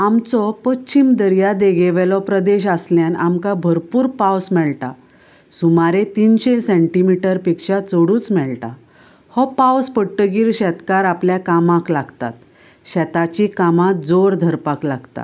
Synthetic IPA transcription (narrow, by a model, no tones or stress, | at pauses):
amt͡sɔpəɕimd̪əɾjad̪eɡeʋelɔpɾəd̪eɕəsljanamkabʱəɾpuːɾpawsmɛɭʈa̰ | sumaɾet̪inɕesɛ̃ɳʈimiʈəɾpikɕat͡soɽuːt͡smɛɭʈa̰ | hɔpawspəʈːəɡiːɾɕɛt̪kaɾapljakamãklaɡt̪a̰t̪ | ɕɛt̪at͡ɕikamad͡zoɾd̪ʱəɾpaklaɡt̪a̰